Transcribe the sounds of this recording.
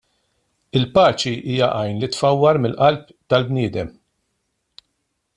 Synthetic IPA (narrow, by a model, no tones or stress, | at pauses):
ɪlpɐːt͡ʃiʔiːjɐʔɐjnlɪt̪fɐwːɐɾmɪlːʔɐlp | t̪ɐlbnɪːd̪ɛ̰m